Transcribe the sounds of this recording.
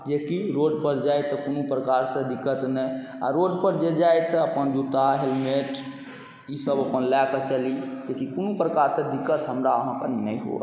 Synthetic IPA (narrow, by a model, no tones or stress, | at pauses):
d͡ʒekiɾoɖpəɾd͡ʒajt̪ɔkonupɾəkaɾsə̃d̪ikːət̪nəja̰ɾoɖpəɾd͡ʒed͡ʒajt̪ɔəpənd͡ʒut̪aɦelmeʈ | isəbəpənlakət͡ʃəlik̪ekikonupɾəkaɾsə̃d̪ikːət̪ɦəmɾaəɦãkəɾnnəjɦo̰